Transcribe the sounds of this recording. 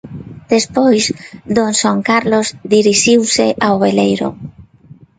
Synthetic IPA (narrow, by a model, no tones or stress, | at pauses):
d̪̥espojzd̪onsaŋkaɾlozd̪iɾiʃiwseʔawβelejɾo̰